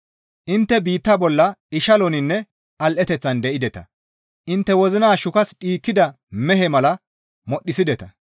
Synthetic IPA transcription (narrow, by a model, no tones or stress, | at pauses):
ʔɪnt̪ːɛbiːt̪ːɐbɔlːɐɪʃɐlɔnɪnːɛ | ɐlʔɛt̪ɛt͡sːɐnd̪ɛʔɪd̪ɛt̪ɐ | ʔɪnt̪ːɛwɔzɪnaːʃʊkɐsɗiːkːɪd̪ɐ | mɛɦɛmɐlɐ | mɔɗːɪsɪd̪ɛt̪ɐ